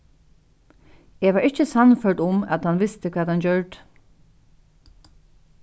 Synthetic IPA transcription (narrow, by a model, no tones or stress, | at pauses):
eːʋaːɹɪht͡ʃəsanfœɹt̪ʊmæ̰t̪hanʋɪst̪əkʰʋɛːt̪hant͡ɕœɹt̪